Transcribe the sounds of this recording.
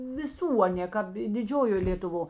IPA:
ʋʲɪˈsuː ɐˈnʲeː ˈkɑːp ɪ dʲɪˈd͡ʒʲoːjoː lʲeːtʊˈʋoː

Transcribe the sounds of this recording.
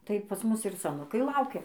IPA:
ˈtɐɪ pɐs ˈmʊs ɪr sɐˈnʊkɐɪ ˈlˠɐʊkʲɛ

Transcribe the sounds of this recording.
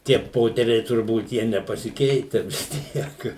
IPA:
tʲiɛ ˈpoːtʲɛrʲɛɪ tʊrˈbuːt ˈjiɛ nʲɛpɐsʲɪˈkʲɛɪtʲɛ ʋʲɪs ˈtʲiɛk

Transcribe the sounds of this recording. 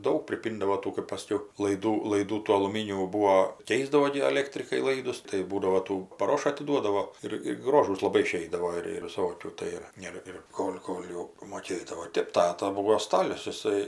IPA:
ˈdɐʊk pʲrʲɪˈpʲiːndɐʋoː ˈtuː kɜpˈɐʃ sɐˈkʲɛʊ lˠɐɪˈduː lˠɐɪˈduː tuː ɐlˠʊˈmʲiːnʲuː ˈbuːoː ˈkʲɛɪzdɐʋoː ɡʲɪ ɐˈlʲeːktʲrʲɪkɐɪ ˈlˠɐɪdʊs tɐɪ ˈbuːdɐʋoː ˈtuː pɐˈroːʃɐ ɐtʲɪˈduɔdɐʋoː ˈɪr ɪr ˈɡroːʒuːs lˠɐˈbɐɪ ɪˈʃʲɛɪdɐʋoː ɪr ɪr ʋʲɪˈsoːkʲuː ˈtɐɪ ɪr ˈɪr ɪr ˈkoːlʲ ˈkoːlʲ jɛʊ moːˈkʲeːdɐʋoː ˈtʲeːp ˈtɑːtɐ ˈbuːʋoː ˈstɑːlʲʊs jɪˈsɐɪ

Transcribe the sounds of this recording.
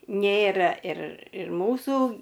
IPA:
ˈnʲeːrɐ ɪr ɪr ˈmuːsuː

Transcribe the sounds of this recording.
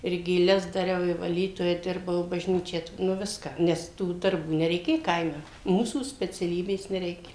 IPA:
ɪr ɡʲeːˈlʲɛs dɐˈrʲɛʊ ɪ ʋɐˈlʲiːtoːjɛ ˈdʲɪrbɐʊ ɪ bɐʒʲˈnʲiːt͡ʃʲæː tʋ ˈnʊ ˈʋʲɪskɑː ˈnʲɛs tuː dɐrˈbuː nʲɛrʲɛɪˈkʲeː ˈkɐɪmʲɛ ˈmuːsuː sʲpʲɛt͡sʲɛˈlʲiːbʲeːs nʲɛˈrʲɛɪkʲɛ

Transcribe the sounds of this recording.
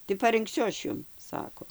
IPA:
tɐɪ pɐrɨŋkˈsʲʊ ˈɐʃ ˈjʊm ˈsɑːkoː

